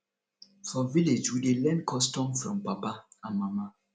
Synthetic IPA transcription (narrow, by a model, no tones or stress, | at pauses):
fɔviled͡ʒwidelɛ̃nkʰɔstɔ̃mfɹɔ̰̃mpapaãnmama